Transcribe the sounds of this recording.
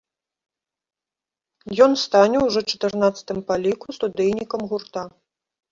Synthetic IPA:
jɔnst̪anʲɛwʐɔt͡ʂɐ̥t̪ɨrnat̪sɐ̥t̪ɨmpalʲikust̪ud̪ɛjnʲikɐmɣurt̪a

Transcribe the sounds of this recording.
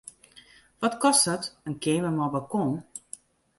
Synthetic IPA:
ʋɔtkɔstdətənkeːnʋəmɔbakon

